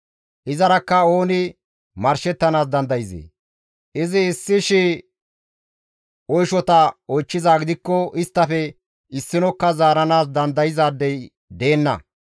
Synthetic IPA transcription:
ʔɪzɐɾɐkːɐo̞ːnɪ | mɐɾʃɛt̪ːɐnaːs̬d̪ɐnd̪ɐjɪzḛː | ʔɪzɪːsːɪʃɪ | ɔjʃɔt̪ɐɔjt͡ʃːɪzaːɡɪd̪ɪkːɔʔɪst̪ːɐfɛ | ɪsːɪnɔkːɐzaːɾɐnaːs̬d̪ɐnd̪ɐjɪzaːd̪ːɛj | d̪e̞ːnːɐ̰

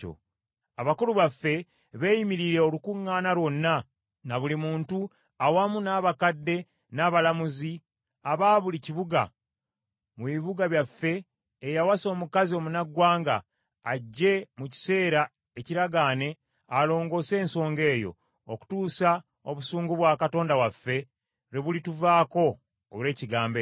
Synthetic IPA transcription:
o̰ | aβakuluβafːe̞ | βe̞jimiɾiɾe̞olukuŋːaːnaɾwo̞nːa | naβulimuːntu | awamunaːβakadːe̞ | naːβalamuzi | aβaːβuliciβuɡa̰ | muβiβuɡaβjafːe̞ː | jawaso̞ːmukazio̞munaɡwaːŋɡa̰ː | ɟːe̞muci̥se̞ːɾa | eciɾaɡaːne̞ | alo̞ːŋɡo̞ːse̞ːnso̞ːŋɡe̞ːjo̞̰ | oku̥tuːsa | o̞βusuːŋɡuβwaːkato̞ːndawafːe̞ | ɾeβulituvaːko̞ | ole̞ːciɡaːmbe

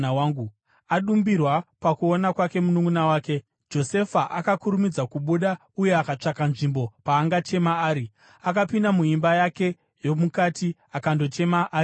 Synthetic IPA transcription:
awaːŋɡu | aɗumbirwapakuonakwake̞munuŋɡunawaːke̞ | d͡ʒo̞se̞faʔakakuɾumid͡zakuɓuɗa | uje̞akat͡ʂakanʐimbo̞paːŋɡat͡ʃe̞maːɾi | akapindamuimbajake̞ | jo̞mukatiakando̞t͡ʃe̞maʔː

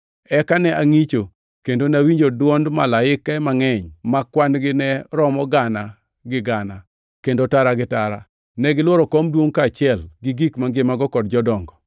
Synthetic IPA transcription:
ɛkanɛʔaŋit͡ʃo | kendonawiɲd͡ʒodwɔndma̰laɪkːaɛmaŋɛɲmakwanɡɪnɛɾɔmɔɡana | ɡɪɡana | kendotaɾaɡɪtaɾa̰ | nɛɡɪlwɔɾɔkɔmdwoŋkat͡ʃɪɛlɡɪɡikmaŋɡɪmaɡɔkɔd̚d͡ʒɔdɔŋɡɔ

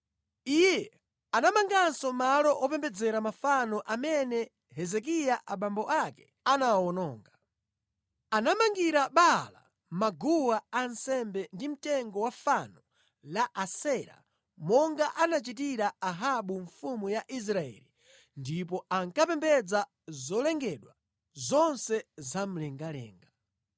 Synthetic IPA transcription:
ijɛ | anamaŋɡansɔmalɔʔɔpɛmbɛd͡zɛɾamafanɔʔamɛnɛ | ɦɛzɛk̬ijaʔaɓambɔʔakɛ̥ | anawɔnɔːŋɡa | anamaŋɡiɾaɓala̰ | maɡuwaansɛmbɛndim̩tɛŋɡɔwafanɔ | laʔasɛɾa̰ | mɔŋɡaʔanat͡ʃitiɾaaɦaɓuɱfumujaʔis̬ɾaɛ̰li | ndip̬ɔaŋkapɛmbɛd͡za | zɔlɛŋɡɛɗwa | zɔnsɛzam̩lɛŋɡalɛ̰ːŋɡa

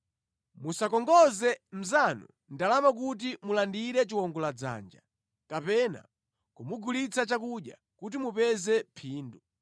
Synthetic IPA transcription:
musakɔŋɡɔzɛm̩zanṵ | ndalamak̬ut̬imulandiɾɛt͡ʃiwɔŋɡɔlad͡za̰nd͡ʒa | kapɛna̰ | kumuɡʱulit͡sat͡ʃakuɗja̰ | kut̬imupɛzɛpʰiːndu

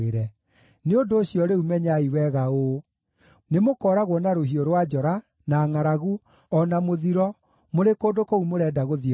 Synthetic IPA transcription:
eɾɛ | neondoːɕjɔɾeumɛɲaiwɛɣao | nemokɔɾaɣwɔnaɾoɦioɾwad͡ʒɔɾa | naːŋaɾaɣu | ɔnamoðiɾɔ | moɾekoːdokoumoɾɛːdaɣoði

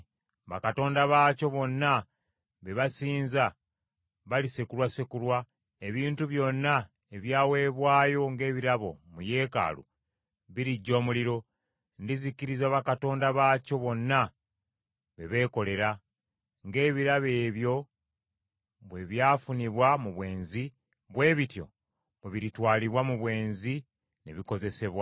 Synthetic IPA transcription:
βakato̞ːndaβaːco̞βo̞nːa | βe̞βasiːnza | βalisekulwasekulwa | e̞βiːntuβjo̞nːa | eβjaːwe̞ːβwaːjo̞ŋɡe̞ːβiɾaβo̞̰muje̞ːka̰ːlṵ | βiɾiɟːo̞ːmuliɾo̞ | ndiziciɾizaβakato̞ːndaβaːco̞βo̞nːa | βeβe̞ːko̞le̞ɾa | ŋɡe̞ːβiɾaβe̞ːβjo̞ | βwe̞βjaːfuniβwamuβwe̞ːnzi | βwe̞ːβitjo̞̰ | βeβiɾitwaːliβwamuβwe̞ːnzi | nḛβiko̞ze̞se̞βwa

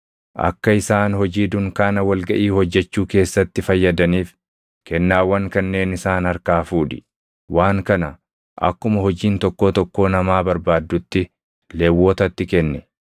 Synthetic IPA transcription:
ʔɐ̰kːɐɪsaːnhɔd͡ʒiːd̪ʊŋkaːnɐwɐlɡɐʔiːhɔd͡ʒːɛt͡ʃːuːke̞ːsːɐt̪ːɪfɐjːɐd̪ɐniːf | kɛnːaːwːɐŋkɐnːe̞ːnɪsaːnhɐɾkaːfuːᶑɪ | wʔaːŋkɐnɐ | ʔɐ̰kːʊmɐhɔd͡ʒiːnt̪ɔkːoːt̪ɔkːo̞ːnɐmaːbɐɾbaːd̪ːʊt̪ːɪ | leːwːoːt̪ɐt̪ːɪkɛnːɛ

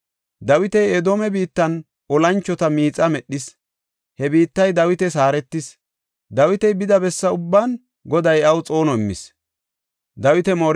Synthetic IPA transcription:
d̪ɐwɪt̪ɛjɛd̪oːmɛbiːt̪ːɐn | ʔɔlɐnt͡ʃːɔt̪ɐmiːt͡sʼɐmɛɗːɪs | hɛbiːt̪ːɐjd̪ɐwɪt̪ɛsaːɾɛt̪ːɪs | d̪ɐwɪt̪ɛjbɪd̪ɐbɛsːɐʊbːaːn | ɡɔd̪ɐjɐwt͡sʼo̞ːnɔɪmːɪ̰s | d̪ɐwɪt̪ɛmo̞ːɾ

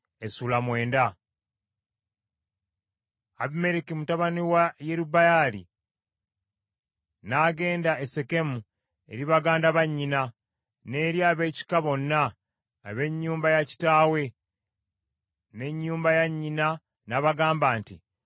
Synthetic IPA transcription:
esuːlamwe̞ːnda | aβime̞ɾikimutaβaniwajeɾubajalḭ | naːɡe̞ːndaese̞ke̞mu | e̞̰ɾiβaɡaːndaβaɲːina | ne̞ːɾjaːβe̞ːci̥kaβo̞nːaː | βe̞ɲːuːmbajaci̥taːwe̞ | ne̞ɲːuːmbajaɲːina | naβaɡaːmbaːnti

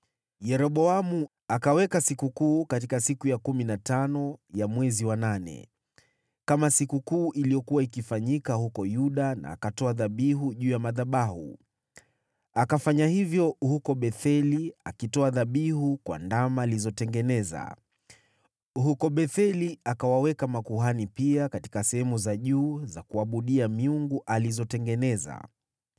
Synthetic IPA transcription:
jɛɾɔɓɔamu | akawɛkasikukuːkatikasikujakuminatanɔjamwɛziwananɛ̰ | kamasikukuːʔilijɔkuwaikifaɲikahukɔjuɗana̰ːkatɔaðaɓiɦuʄuːjamaðaɓahṵ | akafaɲahivjɔhukɔɓɛθɛliakitɔaðaɓihukwa̰ndamaːlizɔtɛŋɡɛnɛza̰ | hukɔɓɛθɛliakawawɛkamakuɦanipiakati̥kasɛhɛmuzaʄuːzakuaɓuɗiamiuŋɡuʔalizɔtɛŋɡɛnɛza̰

